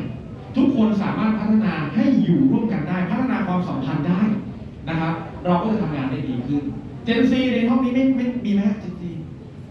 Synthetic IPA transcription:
t̪ʰu˦˥kʰːo˧nsaː˩˦maː˥˩t̪̚pʰa˦˥t̪ʰːa˧naː˧ha˥˩jːuː˨˩ɾu˥˩əmka˧ndaː˥˩jpʰa˦˥t̪ʰːa˧naː˧kwaː˧msa˩˦mpʰa˧ndaː˥˩j | na˦˥kʰa˦˥p̚ | ɾɔː˧kɔː˥˩t͡ɕa˧˩t̪ʰa˧ŋaː˧nda˥˩jdiː˧kʰɯ˥˩n | t͡ɕe˧nsiː˧ɾe˧nhʰɔ˥˩ŋniː˦˥ma˥˩jma˥˩jmiː˧ma˦˥˩k̚t͡ɕi˧ŋt͡ɕi˧ŋ

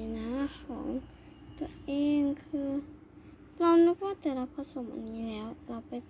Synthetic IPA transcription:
naː˧˥kʰɔː˩˦ŋ | t̪u˧ɐʔeː˧ŋkʰɯː˧ | pla˧nu˧pɔ˧˦a˥˩t̪ɛː˧˩la˧pʰːa˧˥so˧˦mʔa̰˨nːiː˧˥lɛː˦˥wla˧˩wpa˧j

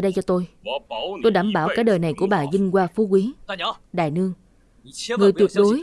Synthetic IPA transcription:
ɗə˧jt͡ɕɔ˧t̪o˧j | t̪o˧jɗaː˧˩mɓaː˧˩wkaː˧˥ɗəː˨˩jna˨˩jku˧˩əɓaː˨˩zï˧ŋ̟kwaː˧fu˨˦kwi˨˦ɗa̰ː˨˩jnɨ˧əŋ | ŋɨ˨˩əjt̪wi˨˩ət̚ɗo˨˦j

